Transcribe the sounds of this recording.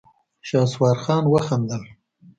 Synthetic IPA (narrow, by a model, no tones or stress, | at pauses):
ʃɑːswɑːɾxɑːnwəxand̪əl